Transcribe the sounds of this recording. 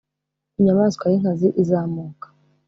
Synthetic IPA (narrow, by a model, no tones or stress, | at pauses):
iɲamaːskʷwaɾiŋ̥kaziʔizaːmuːkḁ